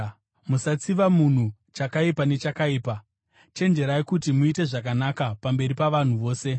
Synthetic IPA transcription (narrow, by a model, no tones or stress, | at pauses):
musat͡siʋamun̤u | t͡ʃakaipane̞t͡ʃakaiːpa | t͡ʃe̞nd͡ʒe̞ɾaikutimuite̞ʐak̬anakapambe̞ɾipaʋan̤uʋo̞ːse̞